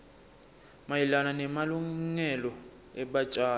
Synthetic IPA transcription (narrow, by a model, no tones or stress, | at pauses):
majilananɛmaluŋɛlɔ | ɛɓat͡ʃʼaː